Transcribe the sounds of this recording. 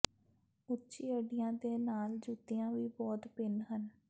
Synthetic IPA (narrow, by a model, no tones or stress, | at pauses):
ʊtːt͡ʃiːəɖɪjãːd̪eːnaːld͡ʒuːt̪ijãːʋiːbɔːt̪pɪnɦən